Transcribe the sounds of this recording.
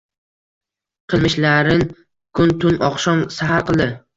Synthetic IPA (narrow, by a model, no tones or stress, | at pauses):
qʰɨlˠmɪʃlaɾɪn | kʰʊnt̪ʰʊnɒqʃɒmsaɦaɾqɨlˠd̪ɪ